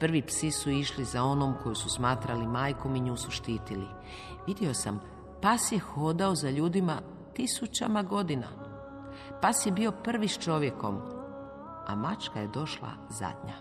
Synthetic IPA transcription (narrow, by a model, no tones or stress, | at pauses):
pr̩ʋipsisuiʃlizao̞no̞mko̞jususmaːt̪ɾalimaːjko̞miɲuːsuʃt̪iːt̪ili | ʋid̪jeo̞sam | pasjexo̞d̪aozaʎuːd̪ima | t̪isut͡ɕamaɡo̞d̪ina̰ | pasje̞bio̞pr̩ʋist͡ʃo̞ʋje̞ko̞̰m | a̰mat͡ʃkaje̞d̪o̞ʃlˠa̰ | za̰d̪ɲa̰